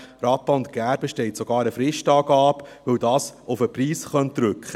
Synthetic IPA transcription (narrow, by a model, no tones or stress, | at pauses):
ɾɑːpɑʊnt̪ɡ̥æɾbəʃtɛɪtsoɡɑːɾəfɾɪʃtɑːɡɑːpʋɵwdɑːsʊfəpriːsχœntɾʏkχə